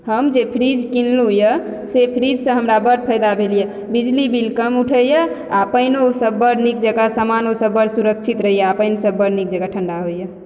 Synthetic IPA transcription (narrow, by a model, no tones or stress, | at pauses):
həmd͡ʒepʰɾid͡ʒkinlɦojə | sepʰɾid͡ʒsə̃ɦəmɾabəʈ̚pʰəjd̪abʱelijə | bid͡ʒlibilkəmuʈʰəjə | apəɪnosəbːəɾnik̚d͡ʒəɡasamanosəbːəɾsuɾək̚t͡ʃʰit̪ɾəɦijəapəɪnsəbːəɾnik̚d͡ʒəɡaʈʰəɳɖaɦojə